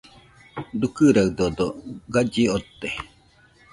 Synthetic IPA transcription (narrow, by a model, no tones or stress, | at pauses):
d̪ukɨɾaɯd̪od̪oɡad͡ʒiot̪ːe